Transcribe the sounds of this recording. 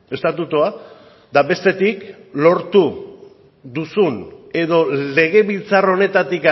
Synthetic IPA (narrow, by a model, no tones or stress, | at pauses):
e̞st̪at̪ut̪ua | d̪aβe̞st̪e̞t̪iklo̞ɾt̪u | ðusune̞ðo̞le̞ɣ̞e̞βilt͡saro̞ne̞t̪at̪ika